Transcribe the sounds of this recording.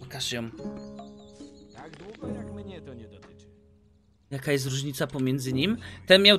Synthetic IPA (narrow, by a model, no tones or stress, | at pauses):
kaʂjɔm | jakajɛst̪ɾuʐɲit̪sapɔmʲjɛnd̪zɘɲimt̪ɛnmʲjaw